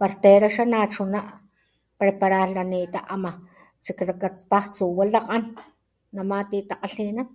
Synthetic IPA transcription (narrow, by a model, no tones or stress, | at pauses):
paɾt̪eːɾaʃanat͡ʃunaʔ | pɾepaɾalaniːt̪aʔama | t͡ʃiklakapaht͡suwalaqʼanː | amat̪iːt̪aqaɬinan